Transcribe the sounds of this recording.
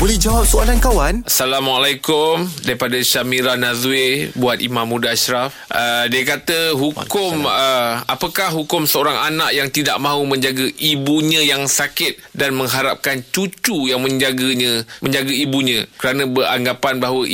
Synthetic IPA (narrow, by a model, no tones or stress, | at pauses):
bolɛhd͡ʒawap̚soalankawanasalamalajkʊmdaɾipadaʃamiɾanãzebuat̪̚imãmːũdaaʃɾafʔədiakat̪əɦukʊməapakahɦukʊmsəoɾaŋanaʔjaŋt̪ida̰ʔmãɦumə̃ɲd͡ʒaɡəʔibuɲãjaŋsakɪt̪̚danmə̃ŋɦaɾap̚kant͡ʃut͡ʃujaŋmə̃ɲd͡ʒaɡəɲãmə̃ɲd͡ʒaɡaibuɲãkəɾanãbəɾa̰ŋɡapanbaɦwə